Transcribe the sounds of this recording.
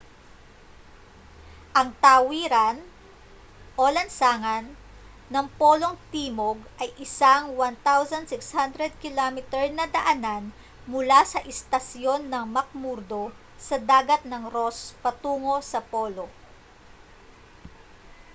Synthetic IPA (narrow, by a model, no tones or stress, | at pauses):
ʔɐŋt̪awiɾɐn | ʔolɐnsaːŋɐnː | ɐŋpolo̞ŋt̪iːmoɡʔɐjʔɪsaŋwant̪awsɐnd̪sɪkshand̪ɾɛd̪̚kɪlamɪt̪ɛɹnɐd̪ɐʔɐnan | mʊlasɐʔɪst̪ɐsjo̞nːɐŋmɐk̚muɾd̪o̞ | sɐd̪aːɡɐt̪̚nɐŋɾo̞spɐt̪uːŋo̞sɐpo̞ːlo̞